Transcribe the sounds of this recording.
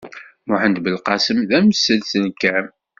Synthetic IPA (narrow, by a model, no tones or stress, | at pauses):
mʊħənd̪bəlqɑsəmðæmsːəlsənkːæm